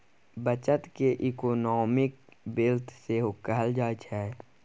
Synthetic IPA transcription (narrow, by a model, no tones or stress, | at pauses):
bət͡ʃət̪keʔikoːnɔːmɪkbɪlt̪ʰseɦʊkəɦəld͡ʒaːt͡ʃʰɦɛː